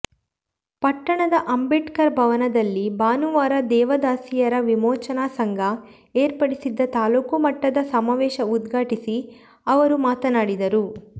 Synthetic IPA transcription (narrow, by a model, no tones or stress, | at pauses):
pɐʈːɐɳɐd̪ɐʔɐmbeʈkɐɾbʱɐʋɐnɐd̪ɐlːibaːnuʋaːɾɐd̪ɛːʋɐd̪aːsijɐɾɐʋimɔːt͡ʃɐnaːsɐŋɡʱɐ | eːɾpɐɽisid̪ːɐt̪aːluːkumɐʈːɐd̪ɐsɐmaːʋɛːʃɐud̪ɡʱaːʈisi | ɐʋɐɾumaːt̪ɐnaːɽid̪ɐɾu